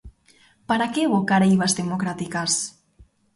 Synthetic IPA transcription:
paɾakeβokaɾejβazd̪emokɾat̪ikas

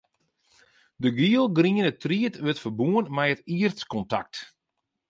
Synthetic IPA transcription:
dəɡiəlˠɡriənətriətʋøtfərbuənmɛjətiərtskɔnta̰k̚t

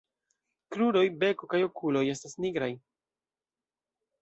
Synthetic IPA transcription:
kɾuɾo̞jbe̞ko̞kajo̞kulo̞je̞stasniɡɾaj

